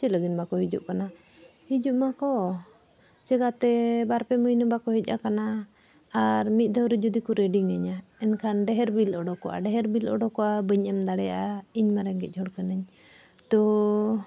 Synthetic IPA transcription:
t͡ʃiləɡinmakɔɦid͡ʒṵʔkana | hid͡ʒuʔmakɔ | t͡ʃɛɡat̪ɛbaɾpɛmujnɔbakɔɦic̚ˀakanaː | ɾmit̪̚ˀd̪əwɾɛd͡ʒud̪ikuɾɛɖiŋaɲaɛnkʰanɖɛɦɛɾbilɔɖɔkɔʔa̰ɖɛɦɛɾbilɔ̰ɖɔkɔʔabəɲɛmd̪aɽɛjaʔaiɲmaɾɛŋɡɛc̚ˀɦɔɽkənəɲ | t̪ɔ

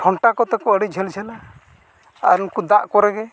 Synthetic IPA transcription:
ʈʰɔɳʈakɔt̪ɛkɔəɽɛd͡ʒʱɛld͡ʒʱɛla | a̰ɾunkud̪aʔkɔɾɛɡɛ

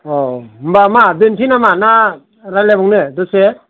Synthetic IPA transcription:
ɔmbamabentʰinamana | ɾalebɔŋnɯdɔse

